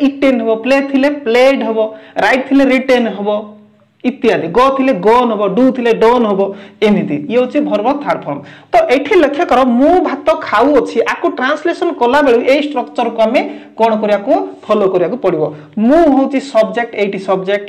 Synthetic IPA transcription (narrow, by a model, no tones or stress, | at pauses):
iʈenɦebɔplet̪ʰilepleɖɦebɔɾajʈ̚t̪ʰileɾiʈenɦebɔ | it̪iad̪iɡɔt̪ʰileɡɔnɦebɔɖut̪ʰileɖonɦebɔenit̪ḭjeot͡ʃʰibʱɔɾbɔt̪ʰaɾp̪ʰɔnt̪ɔʔeʈʰilekʰekɔɾɔmũbʱat̪ɔkʰawot͡ʃʰiʔakuʈɾanslesɔnkɔlabeɭuʔejsʈɾɔkt͡ʃɔɾkuamekɔɽ̃ɔkɔɾibakupʰɔlokɔɾibakupɔɽibɔ | mũɦewt͡ʃʰisɔbd͡ʒek̚ʈejʈisɔbd͡ʒek̚ʈ